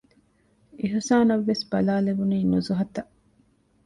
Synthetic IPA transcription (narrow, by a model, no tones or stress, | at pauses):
iɦusaːnɐʋːesbɐlaːlebuniːnuzuɦɐt̪ɐʔ